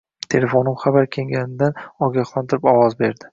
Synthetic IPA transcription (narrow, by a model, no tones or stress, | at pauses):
t̪ʰe̞le̞fonɪmχabaɾkʲʰe̞ŋɡʲanɪd̪anɒɡʲaχlˠant̪ʰɪɾɪpɒwɒzbe̞ɾd̪ɪ